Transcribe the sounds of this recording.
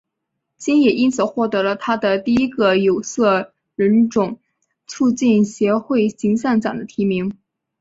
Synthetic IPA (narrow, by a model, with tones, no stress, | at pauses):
t͡ɕi˥njɛ˨˩i˥nt͡sʰɹ̩˨˩xwɔ˥˩t̪ɤ˧˥lə˧t̪ʰa˥d̪ə˨t̪i˥˩i˥ɡə˧jo˨˩ʊsɤ˥˩ | ɻə˧˥nʈ͡ʂʊ˨˩˦ŋ | t͡sʰu˥˧t͡ɕi˥˩nɕjɛ˧˥xwe˥˩ɪɕi˧˥ŋɕa˥˩nʈ͡ʂɑ̰˨˩ŋd̪ə˦t̪ʰi˧˥mi˧˥ŋ